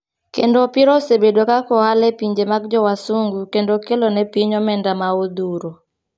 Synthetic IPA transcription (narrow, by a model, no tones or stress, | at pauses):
kḛndɔpiɾɔsebedokakɔalɛpiɲd͡ʒemaɡ̚d͡ʒɔwasuŋɡukendokelonɛpiɲɔmɛndamaod̪uɾo